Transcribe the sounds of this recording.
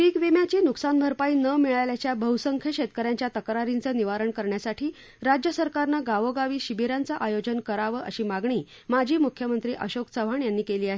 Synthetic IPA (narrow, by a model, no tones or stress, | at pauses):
ʈiːkʋimjat͡ɕiːnuksanbʱəɾpaiːnəmiɭaljat͡ɕjabʱəusəŋkʰjəɕet̪̚kəɾjãɲt͡ɕjat̪əkɾaɾint͡səːniʋaɾəɳkəɾɳjasaʈʰiː | ɾad͡ʑjəsəɾkaɾnaɡaʋəɡaʋiːɕibiɾant͡saʔajod͡ʑənkəɾaʋəʔəɕiːmaɡɳiː | mad͡ʑʱiːmukʰjəmənt̪ɾiːʔəɕokt͡səʋ̤ʱaɳjanːiːkeliːaɦe